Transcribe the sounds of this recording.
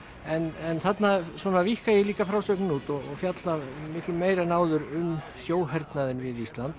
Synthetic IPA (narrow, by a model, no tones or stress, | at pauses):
ɛnɛnθat̪naswɔːnavihkajɛliːkafɾaːwsœknɪnut̪ɔɣɔɣfjat̪lamɪhklʏmeːjɾanaːwðʏɾʏm | sjoːwɦɛɾt̪naðɪnvɪðist̪lant̪